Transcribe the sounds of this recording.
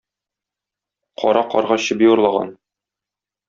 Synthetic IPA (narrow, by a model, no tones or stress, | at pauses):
qʰɒ̰ɾɑqɒ̰ɾʁɑɕɤbiŭɾlˠɑʁɑ̰n